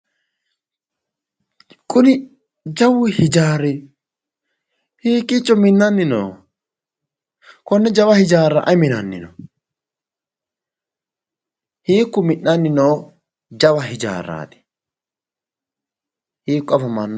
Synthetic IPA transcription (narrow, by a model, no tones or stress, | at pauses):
kʼʊnɪ | d͡ʒɐwːɪhɪd͡ʒaːɾːɪ | hiːkʼːɪt͡ʃʼːɔmɪnːɐnːɪno̰ː | kɔnːɛd͡ʒɐwɐhɪd͡ʒaːɾːa̰ʔɐmɪnɐnːɪ̰nɔ̰ | hiːkːʊmɪnːɐnːɪnoː | d͡ʒɐwɐɦɪd͡ʒa̰ːrːa̰ːt̪ɛ̥ | hiːkːɔɐfɐmɐnː